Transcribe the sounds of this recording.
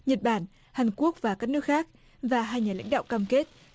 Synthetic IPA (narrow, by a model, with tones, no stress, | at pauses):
ɲə˨˩t̚ɓaː˧˩n | haː˨˩ŋku˦˥ək̚vaː˨˩kaː˦˥k̚nɨ˦˥ək̚xaː˦˥k̚ | vaː˨˩ɦaː˧jɲaː˨˩la̰˧˥jŋ̟ɗa̰ː˧˨wkaː˧mke˦˥t̚